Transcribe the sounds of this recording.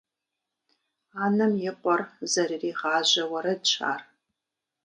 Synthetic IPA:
anɨmjɪqʷʼɔrzɐririːʁaːʒʷɐwɐɾɐdt͡ʃʷʰa̰ːr

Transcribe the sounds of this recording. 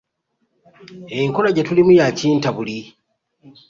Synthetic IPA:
eŋkolaɟatulimujaciːntaβuli

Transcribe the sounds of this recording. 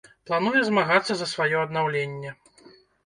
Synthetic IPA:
plˠanujɛzmaɣat̪sːɐzɐsvajɔɐd̪nawlʲenʲːɛ

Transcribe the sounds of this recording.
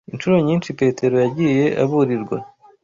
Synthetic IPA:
int͡ʃuɾo̞ɲiːnʃipe̞ːtʰe̞ɾo̞jaɟiːje̞ʔa̰βuɾiɾɡwa̰

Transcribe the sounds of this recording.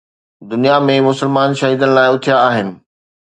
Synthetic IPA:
d̪ʊnijamẽmʊsəɪlmaːnʃɐɦiːd̪ənɪ̆laːɪʊt̪ʰijaːɦɪnɪ̆

